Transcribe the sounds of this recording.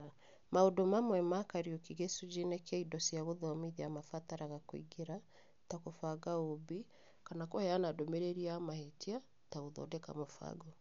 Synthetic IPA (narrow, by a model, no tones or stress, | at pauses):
maodomamwɛmakaɾiɔkiɣesud͡ʒinɛkɛidɔsiaɣoðɔmiðiamafataɾaɣakwḭɡeɾa | takofaɡaobi | kanakɔhɛanadomɛɾɛɾiamahetia | taoðɔ̰dɛka̰mofa̰ɡɔ